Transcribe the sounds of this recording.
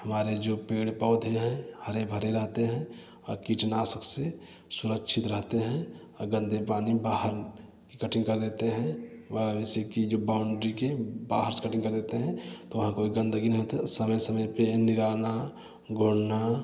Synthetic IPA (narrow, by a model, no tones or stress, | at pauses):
hɐmaːɾed͡ʒoːpeːɽpɔːd̪ʱeɦɛ̃həɾebʱəɾeɾəɦt̪eɦɛ̃ | ɔːɾkiːt͡ʃnaːsəkse | sʊɾəkʃʰɪt̪ɾəɦt̪eɦɛ̃ɔːɾɡə̃nd̪ʱepaːnibaːɦəɾ | kikəʈʰɪ̃ŋɡkɐɾd̪eːt̪eɦɛ̃ʋəʋɛsekid͡ʒobaːʊɳɖɾikebaːɦəɾse̥kəʈʰɪ̃ŋɡkɐɾd̪eːt̪eɦɛ̃t̪oʋɐɦãkoːiɡə̃nd̪əɡinəɦiɦoːt̪səməjsəməjpenɪɾaːna | ɡʱoːɽna